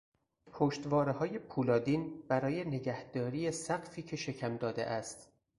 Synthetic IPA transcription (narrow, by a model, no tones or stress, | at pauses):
pʰoʃt̪vɒːɾehɒːje̞pʰuːlɒːd̪iːnb̥æɾɒːjene̞ɟæhd̪̥ɒːɾiːjesæɡfiːcʰe̞ʃe̞cʰæmd̪ɒːd̪ḛʔæst̪